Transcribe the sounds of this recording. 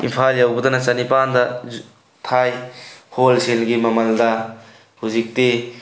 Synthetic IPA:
ḭmpʰaljawbɐd̪ɐnɐt͡ʃɐnipandɐ | tʰajholselɡimɐmɐldɐ | huzik̚te

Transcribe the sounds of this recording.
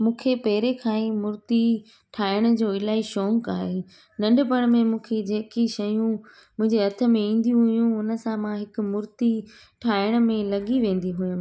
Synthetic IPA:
mũːkʰepɛːɾekʰaːĩmʊɾt̪i | ʈʰaːɪɽ̃d͡ʑoːɪlaːiʃɔːŋkaːɦe | nɐ̃ɳɖpɐɽ̃mẽmũːkʰed͡ʑeːkiʃɐjũ | mʊ̃ɦɪ̃ɲd͡ʑeɦɐt̪ʰə̆mẽĩːn̆d̪ijũɦʊjũʊnə̆sãmãɦɪkʊ̆mʊɾt̪i | ʈʰaːɪɽ̃ʊ̆mẽlɐɠiʋẽːn̆d̪iɦʊjʊ̃

